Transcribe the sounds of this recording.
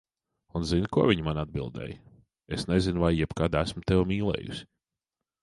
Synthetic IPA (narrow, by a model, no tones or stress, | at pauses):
unzinkuɔvʲiɲmanad̪̚bilˠd̪ɛ̰ːj | esnezinvajːɛbkad̪æsmʊt̪ɛwmiːlˠɛ̰ːjṵsʲi̥